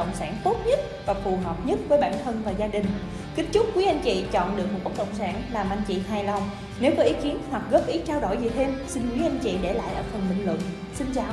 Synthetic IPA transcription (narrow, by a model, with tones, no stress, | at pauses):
ə̰˧˨wŋ͡msaː˧˩nt̪o˦˥t̚ɲə˦˥t̚vaː˨˩fu˨˩ɦəː˨˩wp̚ɲə˦˥t̚vəː˨˦jɓaː˧˩˨nt̪ʰə˧nvaː˨˩zaː˧ɗï˨˩ŋ̟ | kï˦˥ŋ̟t͡ɕʊ˦˥k͡p̚kwi˨˦ʔa˧jnt͡ɕḭ˧˨t͡ɕɔ̰˧˨nɗɨ˨˩ək̚mo˨˩ku˦˥kə̰˧˨wŋ͡msaː˧˩nlaː˨˩mʔa˧jŋ̟t͡ɕḭ˧˨ɦaː˨˩jla˧˩w | ne˨˦wvəː˨˦ʔi˨˦ki˨˦ənhwa˨˩k̚ɣə˦˥p̚ʔi˨˦t͡ɕaː˧wɗo̰˧˩jzi˨˩t̪ʰe˧msi˧nkwi˨˦˥ʔa˧jnt͡ɕḭ˧˨ɗe˧˩la̰ː˧˨jʔəː˧˩fə˨˩nɓï˨˩ŋ̟lwɨ̰˧˨ŋ | sï˧nt͡ɕaː˨˩